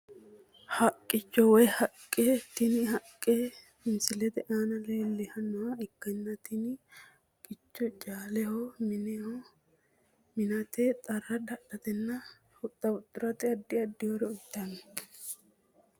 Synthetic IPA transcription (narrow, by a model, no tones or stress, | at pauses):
hɐkʼːɪt͡ʃːɔwɔjhɐkʼːeːt̪ɪnɪhɐkʼːeː | ɪnsɪlɛt̪ɛʔaːnɐlelːɛhɐnːɔwɐɪkːɐnːɐt̪ɪnɪ | kʼɪt͡ʃːɔt͡ʃʼaːlɛhɔmɪn | mɪnɐt̪eːt̪ʼɐrːɐd̪ɐᶑ̪ɐt̪ɛnːɐ | hʊt̪ʼːɐbʊt̪ʼːʊɾɐt̪ɪɐd̪ːɪɐd̪ːɪjoɾɛʊt̪ːɐnːɛ